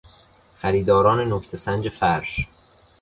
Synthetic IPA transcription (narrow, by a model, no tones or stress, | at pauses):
xæɾiːd̪ɒːɾɒːne̞noct̪ʰe̞sænd͡ʒe̞fæɾʃ